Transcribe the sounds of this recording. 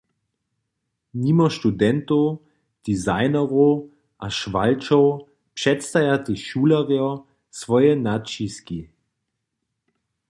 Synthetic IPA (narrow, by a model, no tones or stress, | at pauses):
nimɐʃtudɛnto | d̥izaɪnɐʁo | ʔaʃvalt͡ʃow | pʃɛtstajatiʃuːlaʁiɐ | svɔjɛnat͡ʃiski